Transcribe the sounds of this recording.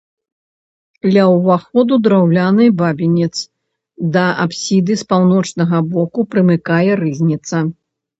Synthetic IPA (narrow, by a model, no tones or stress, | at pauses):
d̪lʲɐwvaxɔd̪ud̪ɾawlʲanɨbabʲinʲɛt̪s | d̪ɐʔapsʲid̪ɨspawnɔt͡ʂnɐɣɐbɔkupɾɨmɨkajɛɾɨzʲnʲit̪sɐ